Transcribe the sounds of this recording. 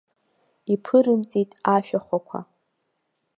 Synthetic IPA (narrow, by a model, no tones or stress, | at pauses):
ipʰɨɾɨmt͡sʼitʼaʃᶣaχʷakʷʰa̰